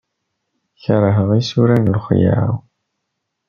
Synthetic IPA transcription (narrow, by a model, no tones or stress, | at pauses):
çəɾˤəɦəʁisuɾænlχja̰